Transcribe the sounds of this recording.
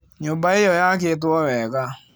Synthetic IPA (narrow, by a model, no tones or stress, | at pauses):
ɲʊbaɪjɔjak̬et̬wɔwɛka